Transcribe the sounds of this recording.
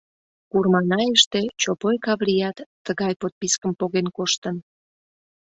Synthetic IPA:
kurmɑnɑjeʃt̪et͡ɕopojkɑβlijɑt̪ːəɣɑjpot̪̚piskəmpoɣenkoʃt̪ən

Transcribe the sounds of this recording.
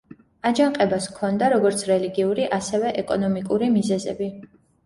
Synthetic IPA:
ad͡ʒaŋqʼɛbaskʰɔnd̪aɾɔɡɔɾt̪sʰɾɛliɡiuɾiʔasɛvɛʔɛkʼɔnɔmikʼuɾimizɛzɛ̰bi

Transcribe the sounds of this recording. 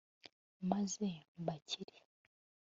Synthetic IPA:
mazembacʰiɾi

